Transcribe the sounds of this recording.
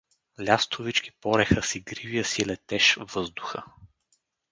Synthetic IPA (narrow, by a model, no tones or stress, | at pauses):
lʲast̪ʰʊvit͡ʃki̥pɔɾɛxəsiɡɾivijəsilɛt̪ɛʃvɤzd̪ʊxə